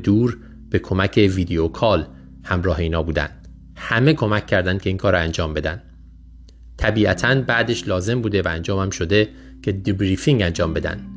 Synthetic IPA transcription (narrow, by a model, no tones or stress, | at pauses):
d̪uːɾ | b̥e̞kʰo̞mæcʰe̞viːd̪eokʰɒːl | hæmɾɒːɦe̞iːnhɒːbuːd̪æ̰nd̪̥ | hæme̞kʰo̞mæcʲʰːæɾd̪ænd̪̥̚cʰe̞iːŋkʰɒːɾɒænd͡ʒɒːmbe̞d̪æ̰nd̪̥̚ | t̪ʰæbiːæt̪ʰænbæʔd̪e̞ʃlɒːze̞mbuːd̪e̞væænd͡ʒɒːmæmʃo̞d̪e̞ | cʰe̞d̪bɾifiŋænd͡ʒɒːmbe̞d̪æ̰nd̪̥